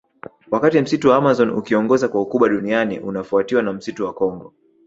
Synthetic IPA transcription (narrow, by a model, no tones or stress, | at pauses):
wakatim̩situwaamazɔnṵkiɔŋɡɔzakwaukuɓaɗunianḭʔunafuatiwanam̩situwakɔŋɡɔ